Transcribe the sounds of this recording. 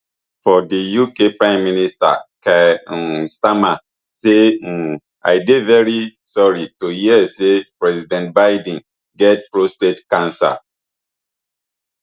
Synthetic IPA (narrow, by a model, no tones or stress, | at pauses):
fɔdəjukepɹãɪ̃mːinista̰kɛ̃ | stama | se | a̰jdevɛɹisɔɹituhisepɹɛzidɛ̃nt̚baɪd̃n̩ | ɡɛt̚pɹostedkãnsa̰